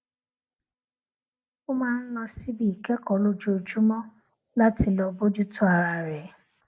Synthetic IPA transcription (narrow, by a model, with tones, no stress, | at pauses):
ʊ˦ma˦n̩˦nɔ˧si˦bi˨ke˦kɔ˨lo˦d͡ʒu˦o˨d͡ʒu˦mɔ˦ | la˦tɪ˨lɔ˨bo˦d͡ʒu˦tʊ˦a˨ɾa˨ɾe˨˦